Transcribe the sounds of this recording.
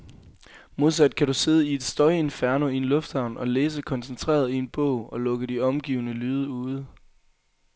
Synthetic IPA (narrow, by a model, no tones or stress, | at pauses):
mo̝ð̞ˠsæd̥̚kʰæɾ̥use̝ð̞ˠəie̝d̥sd̥ɒɪie̝nfæɐnoie̝nlɔ̽fd̥hɑ̈ʊ̰nʔɒ̽leːs̬əkʰɒ̽nsent͡sʰʁḛːɐð̞ˠie̝nb̥ɔʊ̰ɒ̽lɔ̽ɡ̥əd̥iɒ̽mɡ̥ḭʊnəlyːð̞ˠəuːð̞̩ˠ